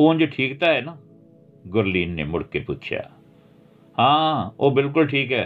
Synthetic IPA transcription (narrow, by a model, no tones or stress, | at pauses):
uːnd͡ʒoʈʰiːkt̪aːɦɛːnaː | ɡʊɾliːnːḛːmʊɽkeːpʊːt͡ʃʰja̰ː | hãːoːbɪlk̬ʊlʈʰiːkɦɛː